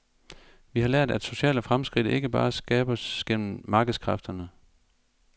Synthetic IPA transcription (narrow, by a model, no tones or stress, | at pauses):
ʋihɑ̈læɐ̰d̥æd̥so̝ɕɛ̰ːləfʁamsɡ̥ʁid̥e̝ɡ̥əb̥ɑ̰̈ːsɡ̥ɛ̰ːb̥ɐsɡ̥el̰m̩mɑ̈ːɡ̥ð̩ˠskʰʁɑfd̥ɐnə